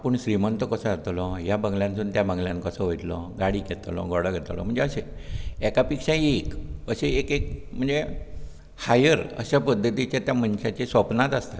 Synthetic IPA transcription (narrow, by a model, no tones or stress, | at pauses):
apəɳɕɾimənt̪əkəsəat̪lɔjabəŋɡljãnsuːnt̪jabəŋɡljãnkəsəʋojt̪lɔɡaɽiːkɛt̪lɔ̰ɡɔɽaɡʱɛt̪lɔ̰m̤əɳd͡zeəɕeɛkapikʂaekəɕeekek̚m̤əɳd͡ze | hajəɾə̰ɕapəd̪ʱːət̪it͡ɕjat̪jam̤ənɕat͡ɕesʋəpnat̪ast̪a